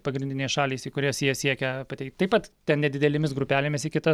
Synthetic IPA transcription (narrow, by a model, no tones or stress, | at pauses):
pɐɡɾʲɪnʲdʲɪnʲeɛɪsʃɑːlʲeɪsikʊɾʲiɛsʲiɛsʲiɛkʲɛpɐt̪ʲɛɪk̚t̪ʲt̪ɐɪpɐt̪tʲɛnnʲɛd̪ʲɪd̪ʲɛlʲɪmʲɪsɡɾʊpʲæːlʲɪmʲɪsɪkʲɪt̪ɐ